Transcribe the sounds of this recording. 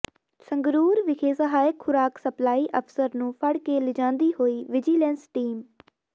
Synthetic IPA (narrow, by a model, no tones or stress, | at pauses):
səŋɡɾuːɾʋɪkʰeːsəɦaːjɪkxʊɾaːksəplaːiːʔəpʰsəɾnũːpʰəɽkeːlɪd͡ʒãːnd̪iːhoːiːʋɪd͡ʒiːlɛ̃ːnsʈiːm